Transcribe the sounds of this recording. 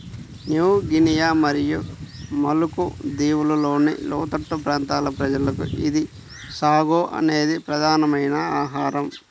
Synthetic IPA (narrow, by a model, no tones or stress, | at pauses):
njuːɡinijaːmɐɾijumɐlukud̪iːwululo̞ːnḭlɔ̰ːt̪ɐʈːɐpɾaːnt̪aːlɐpɾɐd͡ʒɐlɐkṵid̪i | saːɡoːʔɐ̰ne̞ːd̪ipɾɐd̪ʱaːnɐmɐjnɐaːɦaːɾɐm